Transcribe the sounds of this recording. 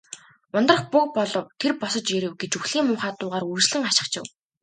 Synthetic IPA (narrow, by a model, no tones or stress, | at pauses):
ʊnt̪rə̆χpʊk̚pɔɮɞ̆wt̪ʰerpɔsɞ̆t͡ɕjeɾɘ̆wɡet͡ɕuxɮ̥iːŋmʊːχaːt̪ʊːʁaːrursɮɘ̆ŋaʃɪ̥̆χt͡ɕʰɪ̆w